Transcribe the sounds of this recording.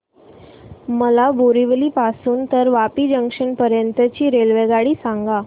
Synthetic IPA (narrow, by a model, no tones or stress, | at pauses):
məlaboɾiʋəliːpasuːnt̪əɾʋapiːd͡ʑəŋkʂəɳpəɾjənt̪ət͡ɕiːɾelʋeɡaɽiːsãŋɡa